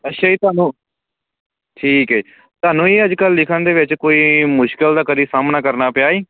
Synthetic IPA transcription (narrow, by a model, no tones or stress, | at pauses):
ətːʃʰaːiːt̪ʊaːnũː | ʈʰiːkɛ | t̪ʊaːnũːeːəd͡ʒkəlːɪkʰənd̪eːʋɪt͡ʃkoːiːmʊʃkəld̪aːkəɾiːsaːmnaːkəɾnaːpjaːiː